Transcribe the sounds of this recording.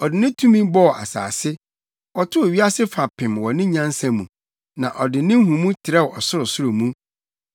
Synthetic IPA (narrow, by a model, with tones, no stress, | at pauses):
ɔ˨dɪ˨nɪ̃˦tʰũ˦mĩ˦bɔ˦˨ʔa̰˨sa̰ː˨sɪ˦ | ɔ˨tʰʊ˦˨wɥi˦a˦sɪ˦fa˨pʰɪ̃˨mwɔ˨nɪ̃˦ɲã˦n˦sã˨mũ˨ | nã˨ʔɔ˨dɪ˨nɪ̃˦hũ˨mũ˦tʰɪ˨ɾɛ˦wʔɔ˨sʊ˦ɾʊ˨sʊ˦ɾʊ˨mũ˦